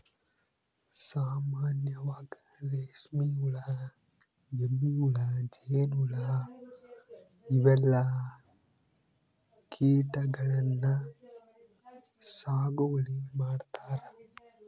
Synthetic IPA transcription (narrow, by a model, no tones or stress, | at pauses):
saːmaːnjɐʋaːɡɐɾeʂmijuɭɐ | emːijuɭɐd͡ʒɛjnuɭɐ | iʋɛlːɐ | kʰiːʈɐɡɐɭɐnːɐ | saːɡuʋɐɭimaːɖt̪aːɾɐ